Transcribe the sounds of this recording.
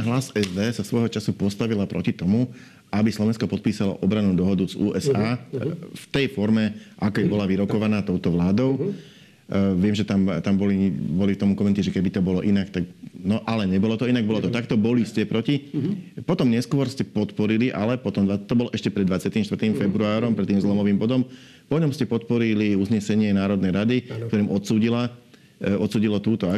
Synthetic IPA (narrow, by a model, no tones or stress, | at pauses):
ɦlasɛzd̪ɛːsasʋɔjɦɔt͡ʃasupɔst̪aʋilapɾʔɔ̰cit̪ɔmu | abislɔʋɛnskɔpɔt̪̚piːsalɔ̰ʔɔbɾanuːd̪ɔɦɔd̪uzuːʔɛsaːft̪ɛjfɔɾmɛʔakɔɛbɔlaʋiɾɔkɔʋanaːt̪ɔʊt̪ɔʋlaːd̪ɔʊ | ʋɪɛmʒɛt̪amt̪ambɔlibɔlikt̪ɔmukɔmɛnt̪iʒɛkɛbit̪ɔbɔlɔʔinakt̪aknɔʔalɛɲɛbɔlɔt̪ɔinaɡ̚bɔlɔt̪ɔt̪akt̪ɔbɔliscɛpɾɔcipɔt̪ɔmɲɛskʊɔɾscɛpɔt̪pɔɾiliʔalɛpɔt̪ɔmd̪ʋat̪ɔbɔlɔʔɛʃcɛpɾɛd̪d̪ʋat͡sɪat̪iːmʃt̪ʋɾt̪iːmfɛbɾuaːɾɔmpɾɛt̪ːiːmzlɔmɔʋiːmbɔd̪ɔm | pɔɲɔmscɛpɔt̪̚pɔɾiliuzɲɛsɛɲɪɛnaːɾɔd̪nɛjɾad̪ikt̪ɔɾiːmʔɔt̪suːɟila | ɔt̪suːɟilɔt̪uːt̪ɔa